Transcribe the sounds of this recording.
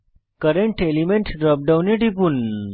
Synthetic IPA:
kəɾeɳʈelimẽɳʈɖɾɔp̚ɖawneʈip̬un

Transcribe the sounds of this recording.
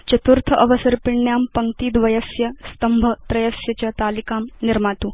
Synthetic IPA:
t͡ɕɐt̪uɾt̪ʰəʔəʋəsɐɾpiɳːjampɐŋt̪iːd̪ʋɐjəsjəst̪əmbʱət̪ɾɐjəsjɐt͡ɕat̪alikamniɾmat̪uː

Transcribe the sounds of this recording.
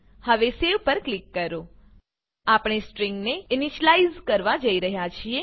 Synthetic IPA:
həʋeseʋpəɾklikːəɾo | apɳ̃esʈɾĩŋɡneɪniʃlaizkəɾʋad͡ʒəiɾəɦjat͡ʃʰie

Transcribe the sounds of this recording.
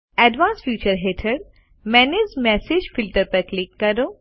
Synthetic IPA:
ɛːɖʋãːnsfjuːt͡ʃəɾɦeːʈʰəɖ | mɛːnezmɛːseːd͡ʒfɪlʈəɾpɐɾklɪkːɐɾoː

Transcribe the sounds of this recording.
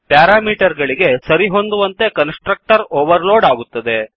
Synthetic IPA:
pjaːɾaːmiːʈɐɾɡɐɭiɡe̞sɐɾiɦo̞nd̪uʋɐnt̪e̞kɐnsʈɾɐk̚ʈɐɾoːʋɐɾloːɖaːɡut̪ːɐd̪e̞

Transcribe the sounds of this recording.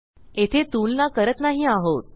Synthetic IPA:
et̪ʰet̪ulnakəɾət̪naɦiːaɦot̪̚

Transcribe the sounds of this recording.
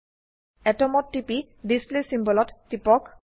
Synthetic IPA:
ɛtɔmɔttːipi | displesimbɔlɔtːipɔk

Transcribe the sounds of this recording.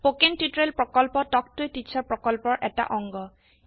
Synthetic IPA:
pokentutɹelpɹɔkɔlpɔtɔk̚tʊjtit͡ɕʰɔɹpɹɔkɔlpɔɹʔɛta̰ʔɔŋɡɔ

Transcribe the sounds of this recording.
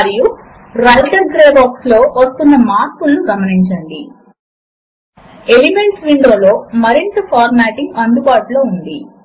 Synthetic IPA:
ɾiju | ɾɐlʈɐɾɡɾeːbaːkslo̞ːʋɐst̪unːɐmaːɾpulːuɡɐmɐniɲt͡ʃɐɳɖi | e̞lime̞ɳʈsʋiɳɖoːlo̞ːmɐɾint̪ɐpʰaːɾmaːʈiŋɡɐnd̪ubaːʈuloːund̪i

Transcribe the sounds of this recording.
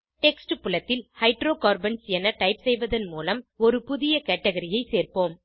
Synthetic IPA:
ʈɛksʈɯpʊlɐt̪ːɪlhɐɪʈɾoːkaːɾbɐnsɛnɐʈɐɪpsɛjʋɐðɐnmuːlɐmɔɾɯpʊðɪjɐkɛʈːɐɣɐɾɪjɐɪseːrpoːm

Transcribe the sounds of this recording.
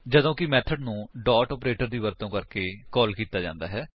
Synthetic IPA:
d͡ʒəd̪õːkɪmɛːt̪ʰəɖnũːɖɔːʈɔːpɾeːʈəɾd̪iːʋəɾt̪õːkəɾkeːkɔːlkiːt̪aːd͡ʒã̰ːnd̪a̰ːɦɛː

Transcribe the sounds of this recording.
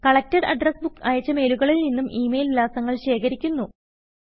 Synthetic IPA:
kɐɭɐk̚tɐrɐ̰ɖrɐsbukːɐjɐt͡ɕːɐme̞ːluɣɐɭilninːumʔiːmejllaːsɐŋːɐɭɕe̞ːkʰɐɾikʲːunːu

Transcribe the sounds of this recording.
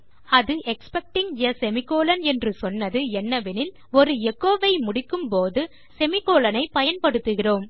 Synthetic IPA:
ɐðɯʔɛkspɛk̚ʈɪŋjɐsɛmɪkːoːlɐnɛndrɯsɔnːɐðɯɛnːɐʋɪnɪl | ɔɾɯɛkːoːʋɐɪmʊɽɪkːɯmpoːðɯ | sɛmɪkoːlɐnɐɪpɐjɐnpɐɽɯt̪ːɯɣɪroːm

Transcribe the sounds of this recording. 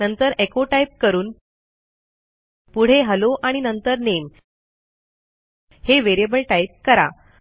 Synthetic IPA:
nənt̪əɾekoʈaip̚kəɾuːn | puɽ̤eɦəloʔaɽ̃inənt̪əɾnem | heʋeɾebəlʈajp̚kəɾa̰

